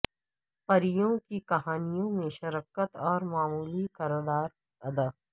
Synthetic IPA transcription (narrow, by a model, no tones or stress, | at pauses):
pɐɾɪjõkikɐɦaːnijõmẽʃɐɾəkət̪ɔːɾmaːmuːlikɐɾd̪aːɾ | ɐd̪ə